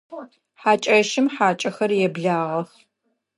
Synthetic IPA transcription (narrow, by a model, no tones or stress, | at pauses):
ħaːt͡ʃʼɐʃɪmħaːt͡ʃʼɐxɐrjɛbɮaːʁɐx